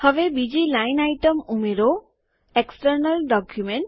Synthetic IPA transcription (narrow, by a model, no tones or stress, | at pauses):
hɔbebid͡ʑilajnajʈəmumeɾo | eksʈəɾnalɖɔkʰjumeɳʈ